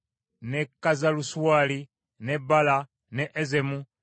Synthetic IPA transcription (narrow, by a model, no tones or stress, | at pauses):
nekːazaluswali | nebala | neʔezemu